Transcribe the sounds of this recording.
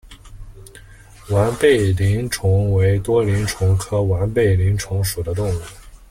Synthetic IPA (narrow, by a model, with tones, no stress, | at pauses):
wa˧˥npe˥˩ɪli˧˥ŋʈ͡ʂʰʊ˧˥ŋwe˧˥ɪt̪wɔ˥li˧˥ŋʈ͡ʂʰʊ˧˥ŋkʰɤ˥wa˧˥npe˥˩ɪli˧˥ŋʈ͡ʂʰʊ˧˥ŋʂu˨˩d̪ə˦t̪̬ʊ˥˩ŋu˥˩˦